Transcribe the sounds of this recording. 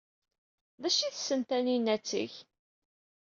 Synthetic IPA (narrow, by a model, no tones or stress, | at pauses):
ðæʃiθəsːənt̪æninːæt͡sːḭç